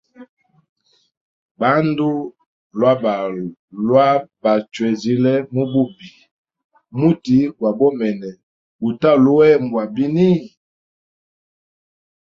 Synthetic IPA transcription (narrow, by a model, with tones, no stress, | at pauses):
ba˦ndu˦ | lwa˦ba˨lwa˦ba˨t͡ʃwɛ˨zi˦lɛ˦mu˦bu˦bi˨ | mu˦ti˦wa˨bɔ˦mɛ˨nɛ˨ | bu˨ta˦˨lu˦wɛ˦˨m˨bwa˨bi˦ni˦